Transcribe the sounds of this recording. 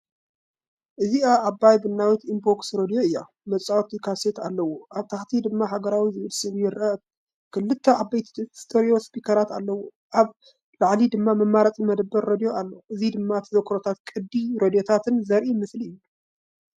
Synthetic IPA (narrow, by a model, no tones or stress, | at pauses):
ʔɨziaʔːbajbɨnːawit̪imboksɾod̪ijo̞ɨjːa | mɐt͡sʼawt̪ikʰaset̪alːɐwoʔaβt̪ʰaxt̪ʰid̪ɨmːaɦaɡɐɾawizɨβɨlsɨβjɪɾɐt̪ | kʰɨlːɨt̪ʰːɐʔabːɐjt̪ʰi̥st̪ʰʼoɾijospʰikʰɐɾat̪alːɐwo | ʔaβ | laʕlid̪ɨmːamɐmːaɾɐt͡sʼimɐd̪ɐbːɐɾɾod̪ijoalːoʔɨzid̪ɨmːat̪ʰɨzɐkʰɾot̪ʰat̪̚kʼɨd̪ːiɾod̪ijo̞t̪ʰat̪ʰɨnzɐɾʔimɨsliɨjːu